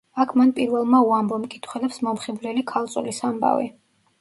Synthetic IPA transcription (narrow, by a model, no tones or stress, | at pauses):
akʰmanpʼiɾvɛlˠmauambɔmkʼit̪ʰχwɛlɛpsmɔmχiblɛlikʰalˠt̪sʼulisamba̰vḭ